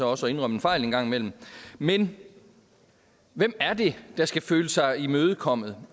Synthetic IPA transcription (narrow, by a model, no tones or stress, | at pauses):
ɒ̽ɒ̽səɒ̽e̝nʁœm̰enfɑ̈ɪ̰lenɡ̥ɑ̈ŋ̰imel̰m̩men | ʋem̰æɐd̥e̝d̥ɑ̈sɡ̥æføːləsɑ̈ɪimøːð̞̩ˠkʰɒ̽m̰ð̩ˠ